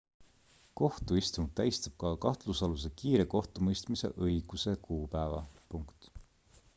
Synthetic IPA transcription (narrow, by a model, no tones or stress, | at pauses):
ko̞ht̪uist̪und̪t̪æjst̪ɑb̥̚kɑkɑht̪lusɑlus̬ekiːɾe̞ko̞ht̪umɤjst̪mise̞̰ʔɤjɡ̥use̞kʰuːpæevɑ̰puŋkt̪